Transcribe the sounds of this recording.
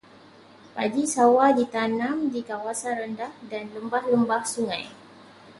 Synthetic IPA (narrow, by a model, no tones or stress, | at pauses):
pa̰ɡisawadit̪anãmdikawasanɾəndahdanləmbahləmbahsuŋã̰j